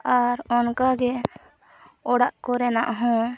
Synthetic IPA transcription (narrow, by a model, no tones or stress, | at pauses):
aɾɔnkaɡɛ | ɔɽaʔkɔɾɛnaʔɦɔ̃